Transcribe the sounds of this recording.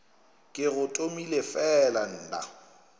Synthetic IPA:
kʼɪɣʊtʼomilefɛlan̩ːna̰

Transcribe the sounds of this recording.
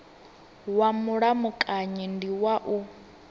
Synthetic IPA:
wamuɺamukʼaɲɛndiwaʔu

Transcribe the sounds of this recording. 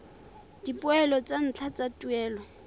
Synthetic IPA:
d̥ipʊɛlɔt͡san̩t͡ɬʰat͡satʼuɛːlɔ

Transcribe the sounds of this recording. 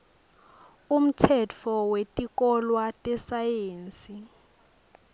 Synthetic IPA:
um̩tʰɛt͡fʰɔwetʼikɔlwatʼɛsajeːnsʼi

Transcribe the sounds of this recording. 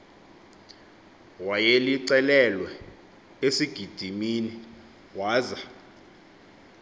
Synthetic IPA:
wajeliǀɛlɛlwɛ | esiɡ̥ʱid̥ʱimini | waːza

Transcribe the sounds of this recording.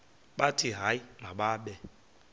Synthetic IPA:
ɓatiɦaimaɓaɓɛ

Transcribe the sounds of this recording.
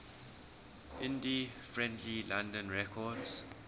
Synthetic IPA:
ʔɪ̃ndifɹɛ̃ndlilãndə̃nɹɛkʰɔds

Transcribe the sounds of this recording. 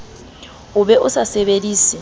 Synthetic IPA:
ʊbɛʔʊsasɛbediːsi

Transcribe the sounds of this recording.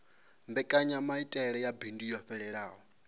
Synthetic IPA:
mbɛkʼaɲamaitʼɛɺɛjabindijɔɸɛɺɛɺaːɦɔ

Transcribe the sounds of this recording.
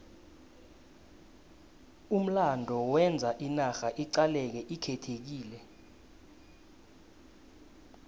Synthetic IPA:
um̩landʱɔwɛnd͡zʱaʔinaxaʔiǀalɛk̬ɛʔikʰɛtʰek̬iːlɛ

